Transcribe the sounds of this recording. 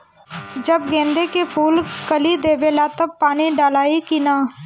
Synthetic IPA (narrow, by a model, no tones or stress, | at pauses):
d͡ʒəbɡẽːnd̪eːkepʰuːlkəliːd̪eːʋeːlaːt̪əb̚paːniːɖaːlaːiːkinaː